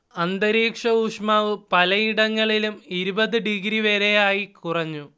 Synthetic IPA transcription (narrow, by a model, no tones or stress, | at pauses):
ɐnd̪ɐɾiːkʂɐuʂmaːʋɨpɐlɐjiɽɐŋːɐɭilumiɾubɐðɨɖiɡɾiʋeɾejaːjikurɐɲːu